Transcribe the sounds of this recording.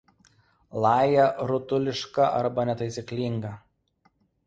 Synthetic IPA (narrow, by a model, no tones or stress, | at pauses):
lˠɑːjɛɾʊt̪ʊlʲɪʃkɐʔɐɾbɐnʲɛt̪ɐɪsʲɪklʲɪŋɡɐ